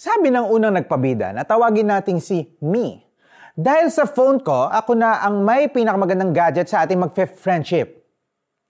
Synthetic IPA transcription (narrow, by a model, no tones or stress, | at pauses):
saːbɪnɐŋʔuːnɐŋnɐɡ̚pɐbiːd̪ɐ̰nɐt̪ɐwaːɡɪnaːt̪ɪŋsɪmi | d̪aːhɪlsɐfownko̞ʔɐkonɐʔɐŋmɐjpiːnɐkɐmɐɡɐnd̪aŋɡaːd͡ʒɛt̪̚sɐʔaːt̪ɪŋmɐɡ̚fɛfɹɛnd̪ʃɪp̚